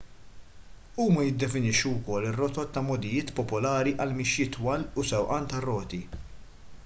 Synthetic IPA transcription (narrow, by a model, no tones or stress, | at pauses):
uːmɐjɪd̪ːɛfɪnɪʃːuwkɔlːɪrːɔt̪ɔt̪ːɐmɔd̪ɪjɪːt̪pɔpɔlɐːɾiʔɐlmɪʃjɪt̪wɐlʊsɛwʔɐnt̪ɐrːɔːt̪i